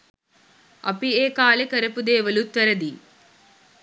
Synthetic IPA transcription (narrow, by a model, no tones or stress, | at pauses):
ɐ̰pieːkaːlekɐɾɐpud̪eːʋɐlut̪ɐɾɐd̪i